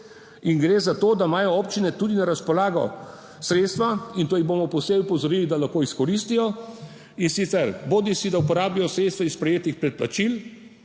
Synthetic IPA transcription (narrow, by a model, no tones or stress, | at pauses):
iŋɡɾeːzat̪oːd̪amaːjɔɔːpt͡ʃinɛt̪uːd̪inaɾaspɔlaːɡɔ̰ | sɾeːt̪st̪ʋaint̪oːjiboːmɔpɔwseːbipɔzɔɾiːlid̪alaxkoːiskɔɾist̪ijɔ | insit̪sɛɾboːd̪isid̪aupɔɾaːbijɔsɾeːt̪st̪ʋaispɾɛjeːt̪ixpɾɛt̪̚plat͡ʃil